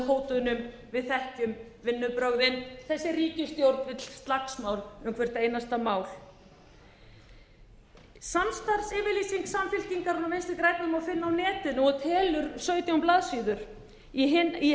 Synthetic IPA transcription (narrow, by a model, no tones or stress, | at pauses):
ɦoːwt̪ʏnʏm | vɪðθɛhcʏm | vɪnːʏpɾœɣðɪnθɛsːɪriːcɪst̪jowɾt̪nvɪt̪l̥st̪laksmawlʏmkʰvɛɾ̥t̪eːjnast̪amaːwl̥ | sanst̪aɾ̥sɛːvɪliːsiŋksamfɪlciŋkaɾunamejnst̪ɪkɾaːjk̚naðʏmawfɪnːaawnɛːt̪ɪnɔɣɔt̪ʰɛːlʏɾ̥sœːɥt̪jawmplaːðsiːðʏɾ̥ | ii